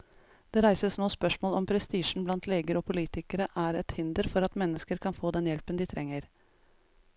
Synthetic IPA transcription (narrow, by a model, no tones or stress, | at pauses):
d̪̥ɛːɾæɪsəsnoːspœʂmoːlɔmpʰɾɛst̪iːʂn̩blɑnt̪ʰleːɡəɾɔpʰʊliːt̪ɪkəɾəʔæɾɛt̪hɪnd̪əɾfɔɾɑt̪mɛnːəskəɾkʰɑnfoːd̪ɛnjɛlpənd̪ɪt̪ʰɾʔɛŋːəɾ